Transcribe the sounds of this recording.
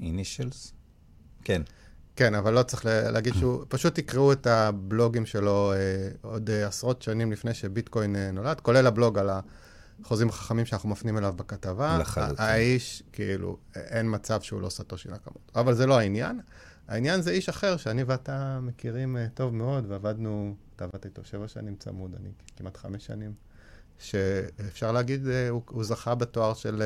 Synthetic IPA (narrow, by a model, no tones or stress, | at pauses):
iniʃels | ken | ke̞navalːo̞t͡sʁeχlelʔa̰ːɡid̪ʃupaʃut̪ikʁeuetablo̞ɡimʃe̞lo̞eodasʁo̞tʃanimlifne̞jʃebitko̞jnenːo̞ladko̞le̞lablo̞ɡala | χozimaχḁχamimʃeanaχumafniimelavbekatava̰ː | iʃkeilṵʔenmat͡savʃeṵlosato̞ʃḭlaka̰motavalzeloainja̰n | a̰injanzeiʃaχe̞ʁʃeaniveatamekiʁimto̞vmeo̞dveavadnuat̪aːvadtit̪o̞ʃe̞vaʃa̰nimt͡sa̰muda̰nikimatχameʃːa̰nim | ʃeːfʃaʁleaɡid̪uuzaχabeto̞aʁʃel